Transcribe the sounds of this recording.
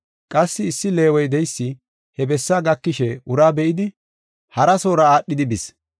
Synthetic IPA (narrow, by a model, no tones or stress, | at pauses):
kʼɐsːɪːsːɪle̞ːwɔjd̪ɛjsːɪ | hɛbɛsːaːɡɐkːɪʃɛʊɾaːbɛʔɪd̪ɪ | hɐɾɐsoːɾɐaːɗːɪd̪ɪbɪs